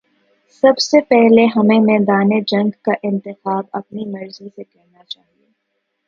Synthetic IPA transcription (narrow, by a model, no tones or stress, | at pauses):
sɐbsepɛɦleɦɐmẽmẽd̪aːned͡ʒɐ̃ŋɡkaʔɪ̃nt̪ɪxaːbɐpnimɐɾzisekɛɾnat͡ʃaːɦie